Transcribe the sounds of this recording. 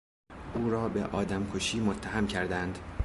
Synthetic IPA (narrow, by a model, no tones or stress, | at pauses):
ʔuːɾɒːbḛʔɒːd̪æmkʰoʃiːmo̞t̪ʰːæɦæmcʰæɾd̪ænd̪̥